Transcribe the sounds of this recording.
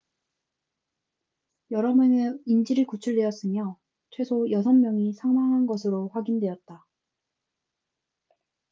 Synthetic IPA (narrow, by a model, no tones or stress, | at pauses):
jʌɾʌmɯnɯind͡ʑiɾɯɭkut͡ɕʰuɭdwe̞ʌs͈ɯmjʌ | t͡ɕʰwe̞sʰojʌs̬ʰʌmːjʌŋisʰaŋmaŋɦanɡʌsʰɯɾoɸwaɡindwe̞ʌt̚t͈a